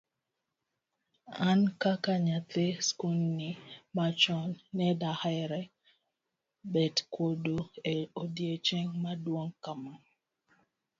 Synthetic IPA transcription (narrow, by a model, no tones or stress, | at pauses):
ankakaɲat̪eskulnimat͡ʃɔnːɛdahaɾɛ | bɛdkwodoeodjet͡ʃɛŋmadwoŋkama